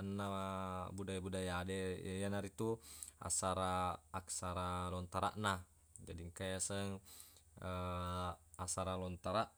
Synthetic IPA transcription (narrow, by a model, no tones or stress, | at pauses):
anːabudajbudajadɛjanaɾit̪ua̰saɾaːksaɾalɔnt̪aɾa̰ʔna | d͡ʒadiŋkajasəŋ | ə | asaɾalɔnt̪aɾaʔ